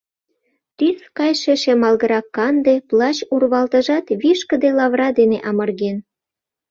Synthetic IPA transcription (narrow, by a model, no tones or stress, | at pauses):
t̪yskɑjʃeʃemɑlɣə̆ɾɑkːɑnd̪eplɑt͡ɕurβɑlt̪ə̆ʒɑt̪βiʃkə̆d̪elɑβrɑd̪eneʔɑmɤ̆rɣen